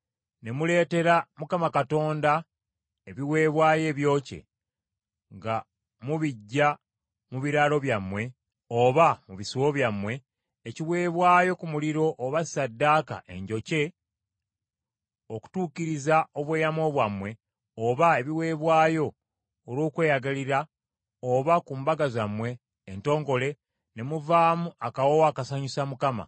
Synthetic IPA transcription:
ne̞mule̞ːte̞ɾamukamakato̞ːnda | e̞βiwe̞ːβwaːje̞ːβjo̞ːce̞̰ | ŋɡa | muβiɟːa | muβiɾaːlo̞βjamwe̞ | oβamuβisuwoβjamwe̞ː | ciwe̞ːβwaːjo̞kumuliɾo̞ʔːβasi̥sadːaːka̰ʔe̞̰ɲɟo̞ce̞ | o̞ku̥tuːciɾizao̞βweːjamo̞βwamwe̞ | oβae̞βiwe̞ːβwaːjo̞ː | ɾwo̞ːkwe̞ːjaɡaliɾa | oβakumbaɡazamwe̞ː | nto̞ːŋɡo̞le̞ | ne̞muvaːmuakawowakasaɲusamukama̰

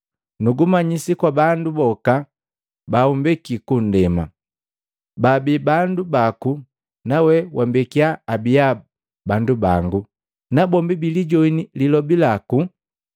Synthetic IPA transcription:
nuɡumaɲisikwabandubɔka | baumbɛkikun̩dɛma̰ | babibandubaku | nawɛwʔambɛkiaːbija | banduba̰ŋɡu | nabɔmbibiliɟɔinililɔbilaku

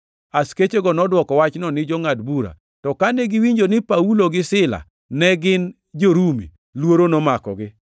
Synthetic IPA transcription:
asket͡ʃeɡɔnɔdwɔkɔwat͡ʃnɔnɪd͡ʒɔŋadbuɾa̰ | tɔkanɛɡɪwiɲd͡ʒonɪpauloɡɪsɪla̰ | nɛɡɪn | d͡ʒoɾumḭ | lwoɾonomakɔ̰ɡɪ

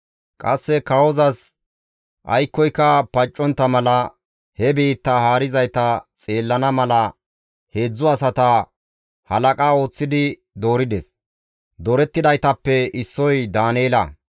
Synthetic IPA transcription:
kʼɐsːɛkɐwɔzɐs | ʔɐjkːɔjkːɐpɐt͡ʃʼːɔnt̪ːɐmɐlɐ | hɛbiːt̪ːɐhaːɾɪzɐjt̪ɐt͡sʼe̞ːlːɐnɐmɐlɐ | he̞ːd͡zːʊɐsɐt̪ɐ | hɐlɐkʼaːo̞ːt͡sːɪd̪ɪ | d̪o̞ːɾɪd̪ɛs | d̪ɔɾɛt̪ːɪd̪ɐjt̪ɐpːɛɪsːɔjd̪aːneːlɐ̰

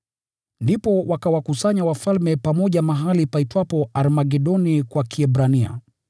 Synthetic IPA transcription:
ndipɔwakawakusaɲawafalmɛpamɔʄamaɦalipaitwapɔalmaɡɛɗɔnikwakʰiɛbɾania̰

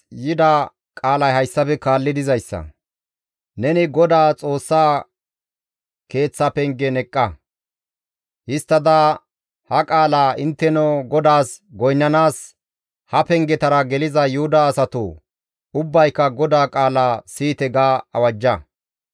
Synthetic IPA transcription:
jɪd̪a | kʼaːlɐjhɐjsːɐpɛkaːlːɪd̪ɪzɐjsːɐ̰ | nɛnɪɡɔd̪aːt͡sʼo̞ːsːaː | ke̞ːt͡sːɐpɛŋɡɛnɛkʼːɐ | hɪst̪ːɐd̪ɐ | hɐkʼaːlaːʔɪnt̪ːɛnɔɡɔd̪aːsɡɔjnːɐnaːs | hɐpɛŋɡɛt̪ɐɾɐɡɛlɪzɐjʊhʊd̪ɐːsɐt̪ṵ | ʊbːɐjkːɐɡɔd̪aːkʼaːlaːsiːt̪ɛɡaːɐ̰wɐd͡ʒːɐ

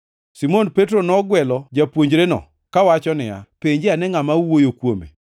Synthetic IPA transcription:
simonpet̬ɾonɔɡwɛlɔd͡ʒapwoɲd͡ʒɾenɔ̰ | kawat͡ʃɔnɪa̰peɲd͡ʒɪanɛŋamauwojokwomḛ

